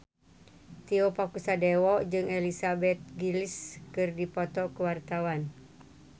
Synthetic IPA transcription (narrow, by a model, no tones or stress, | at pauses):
t̪iopakusadewɔʔd͡ʒɨŋelisabɛt̪̚ɡiliskɨrdipɔt̪ɔkəwart̪awan